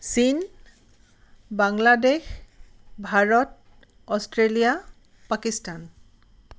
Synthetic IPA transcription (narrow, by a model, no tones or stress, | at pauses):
sin | baŋladex | bʱaɹɔt | ɔstɹelija | pakistan